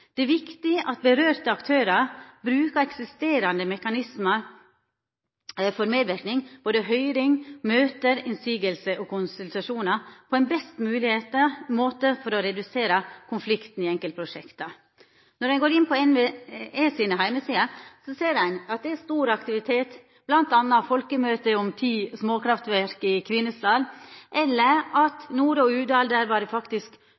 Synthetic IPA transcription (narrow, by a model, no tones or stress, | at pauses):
d̪̥ɛʋɪkt̪ɪʔɑt̪̚bəɾøːɾt̪əɑkt̪ʰøːɾɑɾbɾʉːkəɾɛksɪst̪eːɾɑnd̪əmɛkɑnɪsmɑɾ | fɔɾmeːd̪ʋɪɾknɪŋb̥oːd̪əɦœʏɾɪŋmøːt̪əɾɛnsiːɡəlsəʔɔkʊnsʉlt̪ɾɑʂuːnɑɾpʰɔɛnbɛst̪mʉːlɪheːt̪əmoːt̪əfɔɾɔɾɛd̪ʉseːɾɑkʰʊnflɪkt̪n̩ɪɛŋkəlt̪̚pʰɾʊʂɛkt̪ɑ | nɔɾæɪɡoːɾɪnpʰɔɛnʋɛesiːnəɦæɪməsiːɑsɔseːɾæɪnɑt̪̚d̪ɛæst̪uːɾɑkt̪ɪʋɪt̪ʰeːt̪ | b̥lɑnt̪ɑnːɑfɔlkəmøːt̪əɔmt̪ʰiːsmoːkɾɑft̪ʋæɾkɪkʰʋɪnːəslɑlʔɛlːəɾɑt̪nuːɾɔʉːd̪ɑːld̪əɾʋɑd̪ɛfɑkt̪ɪsk